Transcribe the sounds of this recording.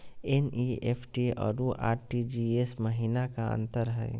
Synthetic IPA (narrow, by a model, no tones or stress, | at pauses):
eniepʰʈiɔ̰ːɾuʔa̰ːɾʈid͡ʒiesməɦiːnakaə̰̃nt̪əɾɦɛɪ